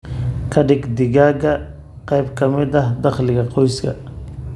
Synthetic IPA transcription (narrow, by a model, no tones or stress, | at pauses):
kʰɐɖɪɡd̪ɪɣaːɣɐ | qɛjbkʰɐmɪd̪ɐɦd̪ɑχlɪɣɐqɔjskʰɐ̰